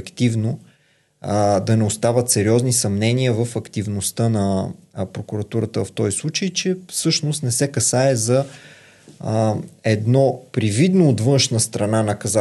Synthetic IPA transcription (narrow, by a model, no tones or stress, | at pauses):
kt̪ivno | d̪ɐnɛost̪avət̪sɛɾiɔznisɐmnɛniəvəfɐkt̪ivnost̪ənɐpɾokuɾɐt̪uɾət̪əft̪ɔjslˠut͡ʃəjt͡ʃɛfsɤʃnost̪nɛsɛkɐsaɛzɐ | ɛd̪nɔpɾivid̪noːt̪vɤnʃnəst̪ɾɐnanɐkɐza